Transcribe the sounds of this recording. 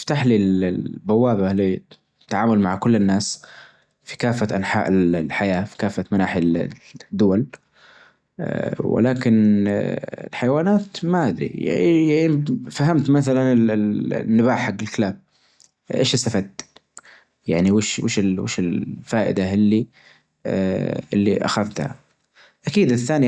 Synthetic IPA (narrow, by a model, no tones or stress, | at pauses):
ɪ̥ft̪aħlilbawːaːbalːi | t̪ːaʕaːmʊlmaʕkʊlːɪnːaːs | fi̥kaːfːaʔanħaːʔɪllħajaːfi̥kaːfːat̪manaːħi | d̪ːʊwal | wɪ̰laːkɪn | ɪ̰lħajawaːnaːt̪maʔad̪ɾḭa̰jaʕifahamt̪maθalanɪlɪnːɪbaːħħaɡːɪlkɪlaːb̚ | ʔḛːʃɪst̪afad̪ | jaʕniwɪʃwɪ̰ːʃɪlwḛːʃɪlfaːʔɪ̰d̪ahɪlːi | ʔɪlːḭʔa̰xaðt̪ha̰ | ʔakiːd̪ɪθːaːni